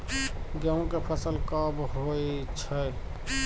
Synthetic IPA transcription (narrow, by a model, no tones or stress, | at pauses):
ɡẽkepʰəsəlkəbɦojt͡ʃʰəj